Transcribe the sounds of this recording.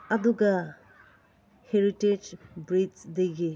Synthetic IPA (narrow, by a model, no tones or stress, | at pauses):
ɐduɡɐ | heɾited͡ʒbɾidsdejɡi